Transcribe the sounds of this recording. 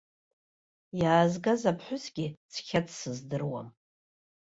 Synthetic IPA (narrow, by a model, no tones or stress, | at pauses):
jaːzɡazapʰħʷᶣʊsɡʲit͡sʰχʲatʰsɨzdɨrwa̰m